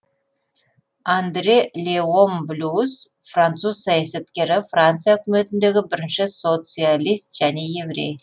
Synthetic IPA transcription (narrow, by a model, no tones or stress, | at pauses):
and̪ɾʲelʲeomblʲus | frant̪suzsɑjaset̪kʲe̞ɾɪfrant̪sɨjaɵkʲɪme̞t̪ɪnd̪e̞ɡʲɪbɪɾɪnʃɪso̞t̪sɨalʲist̪ʒ̥æne̞je̞vɾʲe̞̰j